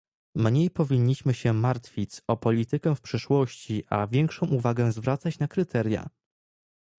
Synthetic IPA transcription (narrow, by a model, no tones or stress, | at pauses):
mɲejpɔvʲiɲːiɕmɘɕɛmaɾt̪fʲit͡sɔpɔlʲit̪ɘkɛfpʂɘʂwɔɕt͡ɕiʔavʲjɛŋkʂɔ̃w̃ʔuvaɡɛ̃zvɾat̪sat͡ɕnakɾɘt̪ʰɛɾʲja̰